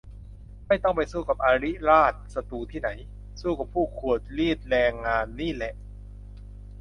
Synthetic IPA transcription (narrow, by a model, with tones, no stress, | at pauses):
ma˥˩jt̪ɔ˥˩ŋpa˧jsuː˥˩ka˨˩p̚ʔaː˧ɾi˦˥ɾaː˥˩t̪̚sa˧t̪uː˧˩t̪ʰiː˥˩na˩˦j | suː˥˩ka˨˩pʰːuː˥˩kʰu˨˩ət̪̚liː˥˩t̪̚lɛː˧ŋːaː˧nːiː˥˩lɛ˨˩ʔ